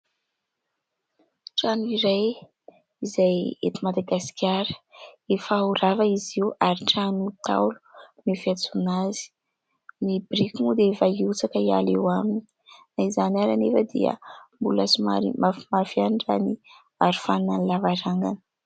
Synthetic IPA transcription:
ʈ͡ʂanuiɾaj | izajḛt̪imad̪aɡaskʲjaɾə̥efauɾavaiziuaɾiʈ͡ʂanut̪ʰa̰wlu̥mifiat͡sunazi̥ | nibɾikimud̪eefaiut͡sakəia̰lewamini̥ | naizanaɾanefəd̪ḭə̰mbulasima̰ɾḭmafimafianɖ͡ʐani | aɾu̥fannanlavaɾaŋɡanə̥

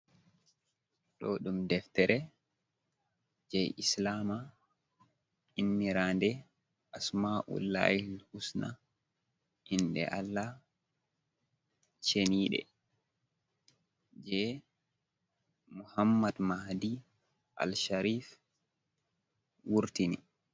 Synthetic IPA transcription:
ɗɔɗumdɛft̪ɛɾɛ | d͡ʒɛjislaːma | inːiɾaːndɛ | ʔasmaʔṵlːa̰hilhusna | ʔinɗɛ̰ʔalːa | t͡ʃeniːɗɛ̰ | d͡ʒɛ | muhamːadmahdi | ʔa̰lʃaɾif | wuɾtinḭ

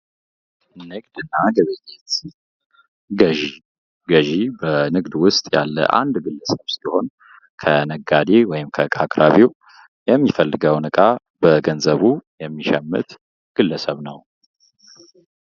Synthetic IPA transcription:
nɨɡd̪ɨnːaɡəβezet̪ | ɡəʒi | ɡəʒibənɨɡd̪wʊst̪ʼja̰lːə̰ʔa̰nd̪ɡɨlːəsəβsiho̞n | kʰənəɡad̪ewɔjɪmkʰəkʼakʼɾaβiw | jɛmːifəlːɨɡəwnɨkʼa | bəɡənzəβujɛmːiʃɛmːɨ̰t̪ | ɡ̥ɨlːəsəβnəw

